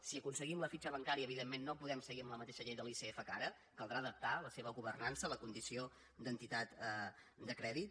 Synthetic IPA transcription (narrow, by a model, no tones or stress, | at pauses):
siəkunsəɣimləfit͡ʃəβəŋkaɾiəːβiðemːenːopuðɛmsəɣiəmləmət̪eʃəʎejðəliseɛfəkaɾə | kəlˠd̪ɾaːðəp̚t̪aləseβəɣuβərnansələkund̪isio | d̪ənt̪it̪at̪ə | d̪əkɾɛðit̪̚